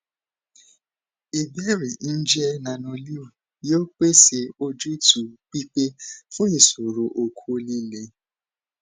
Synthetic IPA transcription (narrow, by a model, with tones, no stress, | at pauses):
e˨be˦ɾi˨n̩˦d͡ʒɛ˦nã˨no˨˧li˦wu˨ | jo˦k͡pe˦se˧o˦d͡ʒu˦i˦tʰu˨k͡pi˦k͡pe˦fũ˦i˨so˨ɾo˨ʔo˨kʷʰu˦o˦li˦le˦